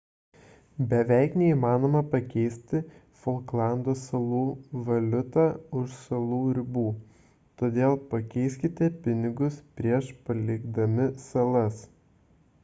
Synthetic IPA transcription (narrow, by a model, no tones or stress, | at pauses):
bʲɛʋʲæɪknʲɛiːmɑːnoːmɐpɐkʲɛɪsʲt̪ʲɪ | folˠklˠɑnd̪oːsɐlˠuːʋɐlʲʊt̪ɑːʊʃsɐlˠuːɾʲɪbuː | t̪oːd̪ʲeːlˠpɐkʲɛɪsʲkʲɪt̪ʲɛpʲɪnʲɪɡʊspʲɾʲiɛʃpɐlʲɪɡd̪ɐmʲɪsɐlˠɐs